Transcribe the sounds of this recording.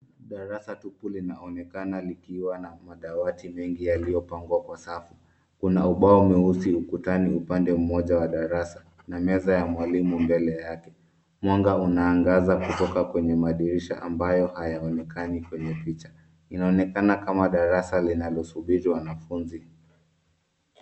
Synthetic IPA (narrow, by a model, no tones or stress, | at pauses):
ɗaɾasatupulinaɔnɛkanalikiwanamaɗawatimɛŋɡijalijɔpaŋɡwakwasafu | kunauɓaɔumɛhusiukutaniupandɛm̩mɔʄawaɗaɾasḁ | namɛzajamwalimumbɛlɛjakɛ | mwaŋɡaunaːŋɡazakutɔkakwɛɲɛmaɗiɾiʃa̰ʔambajɔhajaɔnɛkʰanikwɛɲɛpit͡ʃḁ | inaɔnɛkanakamaɗaɾasalinalɔsuɓiɾiwanafunzi